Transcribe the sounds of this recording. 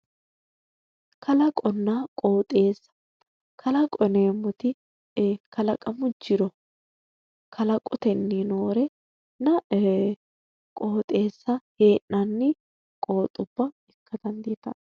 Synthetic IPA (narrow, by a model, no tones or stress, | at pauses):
kʰɐlɐkʼɔnːakʼo̞ːt̪ʼe̞ːsːɐ̥ | kʰɐlɐkʼɔneːmːɔt̪ɪ | kʰɐlɐkʼɐmʊd͡ʒːɪɾɔ | kʰɐlɐkʼɔt̪ɛnːinoːɾɛ | nɐ | kʼoːt̪ʼe̞ːsːɐheːʔnɐnːɪ | kʼo̞ːt̪ʼːʊb̥ːɐ | ɛkːɐd̪ɐnd̪iːt̪ɐ̰